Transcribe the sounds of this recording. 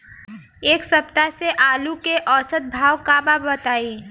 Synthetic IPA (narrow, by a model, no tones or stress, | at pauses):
eːksəp̚t̪aseʔaːlukeʔɔːsət̪̚bʱaːwkababət̪aːiː